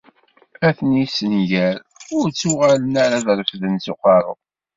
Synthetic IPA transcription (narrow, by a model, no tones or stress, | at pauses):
æθnisənʝæɾ | ʊɾt͡sːuʁalənaɾaðɾfðənsuqɑɾˤʊ̰